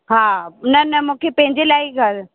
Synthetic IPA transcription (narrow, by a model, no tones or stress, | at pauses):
ɦaːnɐnɐmũːkʰepɐ̃ɦɪ̃ɲd͡ʑelaːiɡʱɐɾ